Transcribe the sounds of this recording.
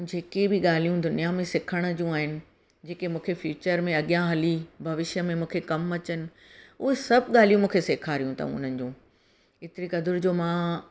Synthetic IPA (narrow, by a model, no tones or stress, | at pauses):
d͡ʑeːkebʱɪɠaːl̤ijũd̪ʊnijamẽsɪkʰəɽ̃d͡ʑũaːɦɪnɪ̆ | d͡ʑeːkemũːkʰefjuːt͡ɕəɾmẽɐɠijãɦɐlibʱɐʋɪʃjəmẽmũːkʰekɐmɐt͡ɕənɪ̆ | ʊɦesɐbʱɠaːl̤ijũmũːkʰeseːkʰaɾijũt̪ʰa̰ṵ̃ʊ̰n̤ənɪ̆d͡ʑũː | ɪt̪ɪɾikɐd̪ʊɾd͡ʑoːmã